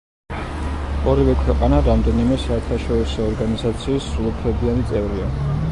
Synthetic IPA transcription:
ɔɾivɛkʰwɛqʼanaɾamd̪ɛnimɛsaɛɾt̪ʰaʃɔɾisɔːɾɡanizat̪sʰiːsulˠɔpʰɾɛbiant̪sʼɛvɾia

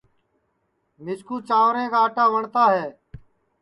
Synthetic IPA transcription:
mɪskuːt͡ʃãːʋɾẽːkaːʈaːʋəɳt̪aːɦɛː

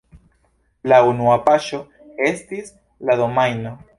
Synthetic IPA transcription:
launuapaʃo̞ | e̞stis | lado̞majno̞

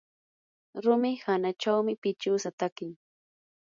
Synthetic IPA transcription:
ɾʊmɪhanat͡ʃawmɪpɪt͡ʃʊːsat̪akɪŋ

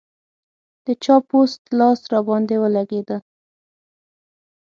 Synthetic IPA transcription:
d̪̥ət͡ʃɑpost̪lɑsɾɑbɑnd̪ewəlaɡed̪ə

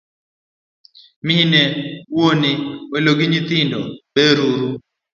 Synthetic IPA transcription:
miinewonɪwɛloɡɪɲɪt̪ɪndɔbeɾuɾu

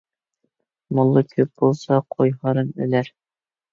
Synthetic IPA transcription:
mŏlˠːɤkʰɵp̚b̥ulˠsɑqʰojhɑɾɤnɵ̰̆læɾ

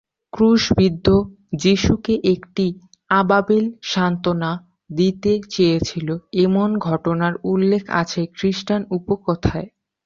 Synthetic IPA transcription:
kɾuʃbid̪ʱːo | d͡ʑiʃukeʔekʈi | ababelʃant̪ona | d̪it̪et͡ɕejet͡ɕʰiloemonɡʱɔʈonaɾulːekʰa̰t͡ɕʰekɾiʃʈanupokɔt̪ʰae

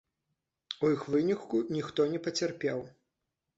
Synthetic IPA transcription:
ujixvɨnʲikːunʲixt̪ɔnʲɛpɐt͡sʲarpʲɛw

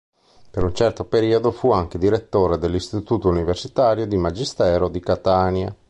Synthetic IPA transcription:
peɾunt͡ʃɛrt̪opeɾiːod̪ofuaŋk̟ed̪iɾet̪ːoːɾed̪elːist̪it̪uːt̪ouniversit̪aːɾjod̪imad͡ʒist̪ɛːɾod̪ikat̪aːnja

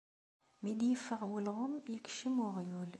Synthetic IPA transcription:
mid̪jəfːəʁwəlʁʊmjəkʃəmʊʁjul

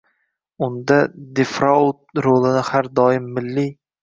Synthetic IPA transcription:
ʊnd̪ad̪efɾɒʊt̪̚ɾolˠɪnɪhaɾd̪ɒjɪmːɪlːi

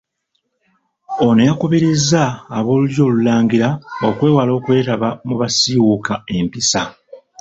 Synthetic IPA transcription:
o̞nejakuβiɾizaːβo̞ːluɾjo̞ːlulaːŋɡiɾaokwe̞ːwalo̞ːkwe̞ːtaβamuβasiwukae̞mpisa

